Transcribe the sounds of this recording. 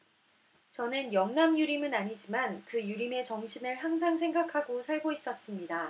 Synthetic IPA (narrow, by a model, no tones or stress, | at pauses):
t͡ɕʌnɯnjʌŋnamjuɾimɯnaɲid͡ʑimankɯjuɾime̞t͡ɕʌŋɕʰinɯɭɦaŋs̬ʰaŋsʰe̞ŋɡakʰaɡosʰaɭɡois͈ʌs͈ɯmɲida